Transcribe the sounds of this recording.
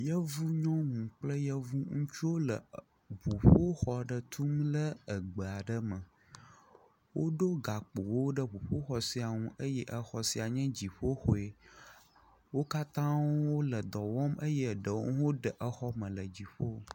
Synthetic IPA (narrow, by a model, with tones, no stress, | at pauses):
jə˦vu˦ɲɔ̃˦ŋũ˨k͡plə˦jə˦vu˦ŋũ˦t͡ʃu˦wo˦lə̰˨ | βu˨ɸo˦xɔ˨ɖə˨t̪ʰu˦mlə˦ə˨ɡ͡bə˨a˨ɖə˦mə̃˨ | wʔo˦ɖo˦ɡa˨k͡po˨wo˦ɖə˦βu˨ɸo˦xɔ˨si˨˦a˨ŋũ˨˦ʔə˦jɛ˦ʔə˦xɔ˨si˨a˨ɲɛ̃˦d͡ʑi˨ɸo˦xo˨e˨ | wo˦ka˦t̪ã˦wwo˦lə˨d̪ɔ˨wɔ˦mə˦jə˦ɖə˨wo˦wo˦ɖə˨ʔə˦xɔ˦mə̃˨lə˨d͡ʑi˨ɸo˦˨